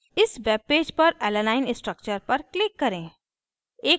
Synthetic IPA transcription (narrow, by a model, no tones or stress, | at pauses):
ɪsʋeːb̚peːd͡ʒpɐɾɛːlənaːɪnɪ̃sʈɾək̚t͡ʃəɾpɐɾklɪkːɐɾẽː | eː